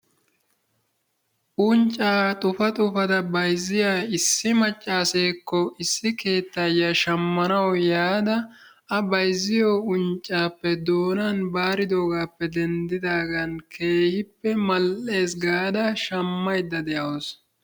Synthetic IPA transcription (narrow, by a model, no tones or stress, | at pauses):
ʔʊnt͡ʃʼːaːt̪ʼʊfɐt̪ʼʊfɐd̪ɐbɐjzːɪjaːɪsːɪmɐt͡ʃʼːaːse̞ːkːɔɪsːɪke̞ːt̪ːɐjːaʃɐmːɐnɐwjaːd̪ɐ | ɐbɐjzːɪjoːʊnt͡ʃʼːaːpːɛd̪oːnɐnbaːɾɪd̪oːɡaːpːɛd̪ɛnd̪ɪd̪aːɡɐnkʰe̞ːhɪpːɛmɐlʔe̞ːsɡaːd̪ɐʃɐmːɐjd̪ːɐd̪ɛjɐwɔs